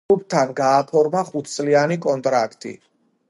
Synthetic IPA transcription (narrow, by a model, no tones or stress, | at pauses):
up̚t̪ʰanɡaːpʰɔɾmaχut̪ʰt̪sʼlianikʼɔnt̪ʼɾakʰt̪ʼḭ